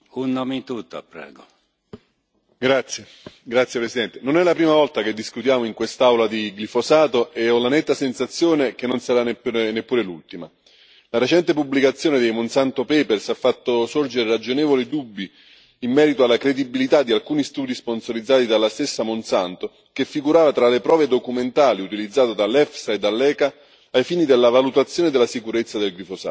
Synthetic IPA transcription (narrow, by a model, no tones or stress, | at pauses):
unːomit̪ut̪ːo̰pɾɛ̰ːɡo | ɡɾat̪sːje | ɡɾat̪sjepɾesid̪ɛnt̪enonɛlapɾiːmavɔlt̪ak̟ed̪ːiskut̪jaːmoiŋkwest̪aawlad̪iɡlifosaːt̪oeɔlːanɛt̪ːasensat̪sːjoːnek̟enːonsaɾanepnepːuːɾelult̪ima | laɾet͡ʃɛnt̪epubːlikat̪sːjoːned̪ejmonsant̪opɛːpersafːat̪ːosord͡ʒeɾeɾad͡ʒonɛːvolid̪ubːiː | mːɛːɾit̪oalːakɾed̪ibilit̪ad̪ːialkuːnist̪uːd̪isponsoɾid̪zːaːt̪id̪alːast̪esːamonsant̪o | kefːiɡuɾaːvat̪ɾalepɾɔːved̪okument̪aːliut̪ilid̪zːaːt̪od̪alːɛfsaed̪ːalːɛːkaː | jfiːnid̪elːavalut̪at̪sːjoːned̪elːasikuɾet̪sːad̪elɡlifosa̰ː